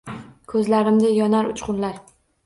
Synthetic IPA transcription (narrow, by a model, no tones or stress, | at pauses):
kʰɵzlaɾɪmd̪ajɒnaɾʊt͡ʃqʊnlaɾ